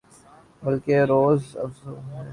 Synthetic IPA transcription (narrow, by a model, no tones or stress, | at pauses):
bɐlkeɾoːzɐ̰fzɛ